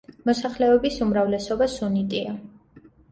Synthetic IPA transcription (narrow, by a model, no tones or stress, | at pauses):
mɔsaχlɛɔbisumɾavlɛsɔbasunit̪ʼia